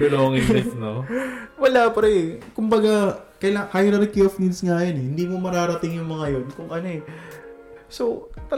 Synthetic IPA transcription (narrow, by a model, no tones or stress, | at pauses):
ɡɐloɐŋɪnɪsnowɐlapɐɾɐɛkʊmbɐɡakɐjlaŋhajɾɐɾkiʔofnid̪sŋaːjonɛhɪnd̪iːmomɐɾaːɾɐt̪ɪŋjʊŋmɐŋajo̞nkʊŋʔɐno̞ɛ | sot̪ɐ